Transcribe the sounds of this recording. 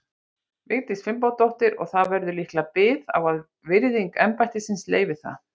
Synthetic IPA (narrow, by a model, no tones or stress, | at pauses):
vɪɣɾt̪isfɪmp̬awt̪owht̪ɪɾɔ̰ɣθavɛɾðʏlihklapɪːða̰wvað | vɪɾðiŋkɛmpajht̪ɪsɪnslḛːjvɪθa̰